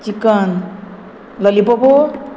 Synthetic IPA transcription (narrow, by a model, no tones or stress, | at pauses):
t͡ʃikʌn | lʌlipɔpo